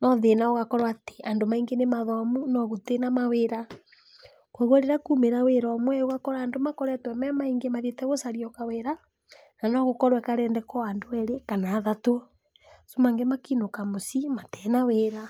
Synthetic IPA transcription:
nɔðenaoɣakɔɾwate̥andomaiŋɡenemaðɔamunɔɣotenamaweɾa | kwɔɣɛɾeɾakumeɾaweɾaamwɛoɣakɔɾaːndomakɔɾɛtwɛmɛmaiŋɡemaðetɛɣosaɾiɔkaweɾa | nanɔɣokɔɾwɛkaɾɛːndɛkɔandoɛɾekanaːðato | somaŋɡɛmakinokamosimatɛnaweɾa

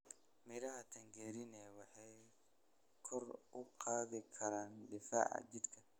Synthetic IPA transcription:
mɪɾɐɦɐt̪ʰɐŋɡɛːɾɪnɛːwɑħɑj | kʰɔrʊqɑːðɪkʰɐɾaːnɖɪfa̰ːʕɑ̰t͡ʃɪd̪kʰɐ

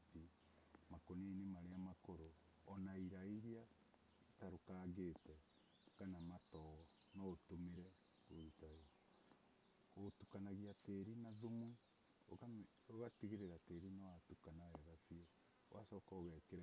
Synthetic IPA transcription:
i | makoneinemaɾeamakoɾo | ɔnaiɾaiɾia | itaɾokaːɣeːtɛ | kanamatɔɔ | nɔtomeɾɛ | oitao | otukanaɣiateɾinaðomu | o | oɣatiɣeɾeɾateɾinawatukanaɛɣafiɛ | owasɔkaoɣɛkeɾ

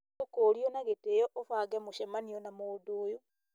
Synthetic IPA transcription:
okoːɾionaɣeteːjɔʔofaɡɛmoʃɛmanionamodoːjo

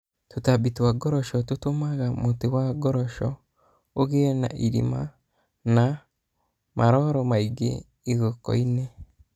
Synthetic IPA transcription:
tutabitwaɡɔɾɔʃɔtutomaɣamutewaɡɔɾɔʃɔ̰ | oɣena̰ʔiɾḭma̰ | na | mʔaɾɔɾɔmaiɡḛ | iɣokɔ̰ine

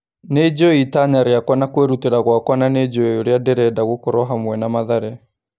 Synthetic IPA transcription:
ned͡ʑoitaɲaɾeakwanakweɾuteɾaɣwakwananed͡ʑoeoɾeadɛɾɛdaɣokoɾɔɦamwɛnamaðaɾɛ

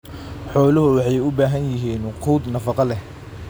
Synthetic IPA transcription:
ħɔːlʊɦʊwɑħɑjʊbaːɦɐnjɪɦiːnqʰuːd̪nɐfɑqɑlɛ

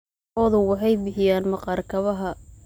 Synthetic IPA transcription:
ɔːðʊwɑħɑjbɪħɪjaːnmɐqɑːrkʰɐβɐɦɐ

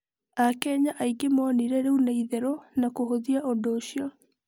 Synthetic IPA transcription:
akɛɲaʔaiɡemɔːniɾɛɾeunaiðɛɾonakohoðiaʔodoːɕiɔ

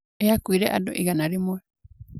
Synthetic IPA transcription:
eakuiɾeʔa̰do̰ʔiɡanaɾemoe

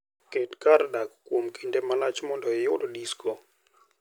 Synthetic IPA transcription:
ketkaɾdakkwomkʰindɛmalat͡ʃmɔndɔɪjʊdodiskʰɔ

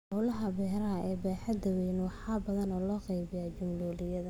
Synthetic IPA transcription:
hɔlɐɦɐbɛːɾɐɐɛːbaːħɐd̪ɐwɛjnwɑħɑːbɐðɐnɔːlɔːqɛjβɪjaːt͡ʃʊmlʊːlɪjɐðɐ

